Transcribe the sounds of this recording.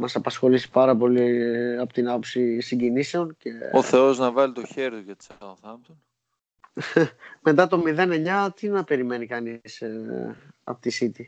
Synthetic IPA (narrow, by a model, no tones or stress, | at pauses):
mɐsɐpɐsxo̞lisi̥pɐɾɐpo̞liɐpot̪inɐpo̞psisiɲɟinise̞o̞nce̞oθe̞o̞znɐvɐlit̪oçe̞ɾðiʝɐt̪i̥soθɐmd̪on | me̞t̪ɐt̪o̞miðe̞ne̞ɲɐt̪inɐpe̞ɾime̞nikɐnis | ɐ̰pot̪isit̪i